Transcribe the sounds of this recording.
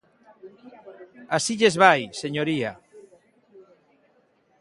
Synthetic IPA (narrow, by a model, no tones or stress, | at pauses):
asiʎezβajseɲoɾia̰